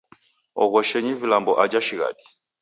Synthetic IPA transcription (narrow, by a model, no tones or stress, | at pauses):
ɔ̰ɣɔʃɛɲivilambɔʔad͡ʒaʃiɣa̰ti̥